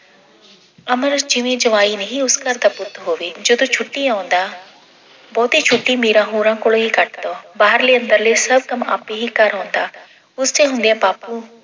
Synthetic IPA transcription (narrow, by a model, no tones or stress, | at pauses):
ɐməɾd͡ʒɪʋẽd͡ʒɐʋaːinɐɦĩʊskəɾd̪apʊt̪ɦoːʋeːd͡ʒod̪ot͡ʃʰʊʈːiãːʊ̃nd̪aː | bɔːt̪iːt͡ʃʰʊʈːimiːɾãɦuːɾãːkʊɭoɦikəʈd̪oːbaːɦəɾleːɐ̃nd̪əɾleːsəb̚kɐma̰ːpiɦikəɾɦõːnd̪aː | ʊst̪eɦʊ̃nd̪ijãːpaːpu